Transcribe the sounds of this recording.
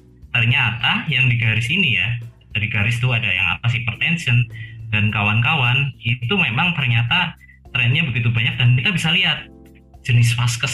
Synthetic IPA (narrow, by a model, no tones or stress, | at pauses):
t̪ərɲat̪ajaŋdiɡaɾɪsinija̰ | dadiɡaɾɪst̪uadaja̰ŋa̰p̪asipərt̪ɛnsəndankawankawanit̪umemaŋt̪ərɲat̪a | t̪ɾɛnɲabəɡit̪ubaɲak̚dankit̪abisaliat̪̚ | d͡ʒənɪsfaskəs